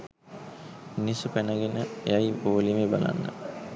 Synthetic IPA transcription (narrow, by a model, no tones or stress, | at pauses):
nisupænəɡenəḛjajboːlimebala̰nːə̰